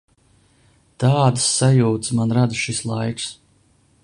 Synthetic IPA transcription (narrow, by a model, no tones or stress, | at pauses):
t̪aːd̪sːajuːt̪smanɾad̪ʃislˠajɾs